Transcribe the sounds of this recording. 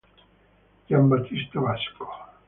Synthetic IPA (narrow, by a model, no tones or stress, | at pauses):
jambat̪ist̪aβasko̥